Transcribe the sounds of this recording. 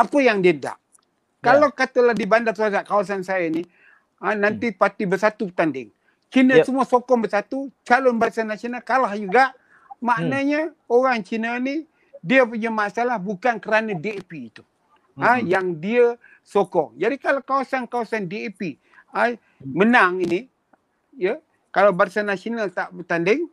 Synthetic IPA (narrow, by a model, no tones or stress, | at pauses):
apəjaŋdiəda̰ʔ | kalawkat̪əlahdibandarkuasaʔkawas̬ansajəni | anant̪ipat̪ibərsat̪uət̪andɪ̰ŋ | t͡ʃinəsəmuəsokɔŋbərsat̪ut͡ʃalʊnbasanasionalkalahd͡ʒuɡaʔ | maʔnəɲə | oɣaŋt͡ʃinəni | diəpəɲəmaʔsalahbukankəɾanədiepiːt̪u̥ | əjaŋdiə | sokɔŋd͡ʒadikalakawasankawasandiepi | a | mənaŋini | jə | kalawbaɾsanasionalt̪aʔbət̪andɪŋ